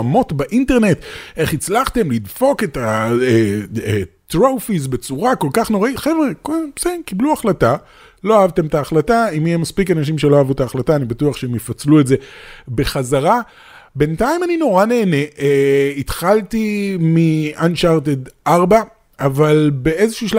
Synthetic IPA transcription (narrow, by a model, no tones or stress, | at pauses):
mo̞tbaʔinte̞ʁne̞t̪ʔe̞χit͡slaχt̪e̞mlidfo̞ke̞taeet̪ʁowfis̬be̞t͡suʁako̞lkaχnoʁaiχevʁekosekibluaχlata | lo̞aavt̪e̞mtaːχlataimijemaspikanaʃ̬imʃe̞loaːvut̪aːχlataːnibatuaχʃeemjefat͡sluetze̞be̞χazaʁa | be̞ntaimanino̞ʁane̞ːne̞ʔit̪χaltimianʃaʁt̪edʔaʁba | ʔavalbe̞ezeʃuːʃl